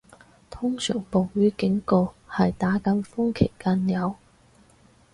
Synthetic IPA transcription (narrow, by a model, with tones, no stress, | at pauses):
t̪ʰʊ˥ŋsœ̰ː˨˩ŋpo˨wɥyː˨˥kɪ˨˥ŋkɔː˧hɐ˨jt̪aː˨˥kɐ˧˥nfʊ˥ŋkʰe˨˩jkaː˧njɐ˨˧w